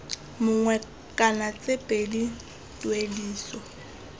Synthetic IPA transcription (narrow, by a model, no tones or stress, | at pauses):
mʊŋwɛ | kʼanat͡sʼepʼedi | tʼwediːsɔ